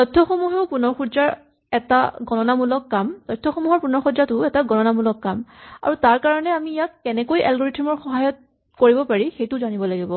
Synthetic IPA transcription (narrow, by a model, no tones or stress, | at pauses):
tɔjtʰːɔxɔmuɦɛʊpunɔɹxudzaɹ | ɛta̰ɡɔnɔnamulɔkːamtɔjtʰːɔxɔmuɦɔɹpunɔɹxudzatʊɛtaɡɔnɔnamulɔkːama̰ɹutaɹkaɹɔnɛamijakːɛnɛkojʔɛlɡɔɹitʰimɔɹxɔɦajɔt̚ | koɹibɔpaɹixejtʊzanibɔlaɡibɔ